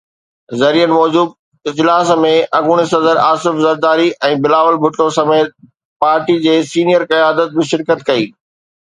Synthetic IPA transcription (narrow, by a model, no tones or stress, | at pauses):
zɐɾiːjənɪ̆mɔːd͡ʑuːd̚ | ɪd͡ʑlaːsmẽʔɐɡʊɽ̃ɪsɐzəɾaːsɪfzɐɾd̪aːɾiʔɛ̃ːbɪlaːʋəlbʱʊʈːosɐmeːt̪̚ | paːɾʈid͡ʑeːsiːnijəɾkɐjaːd̪ət̪̚bɪʃɪɾkət̪kɐiː